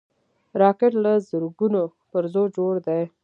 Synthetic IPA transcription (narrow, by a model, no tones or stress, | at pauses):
ɾɑkɪʈlazʊɾɡuno | pəɾzod͡ʒoɽd̪ej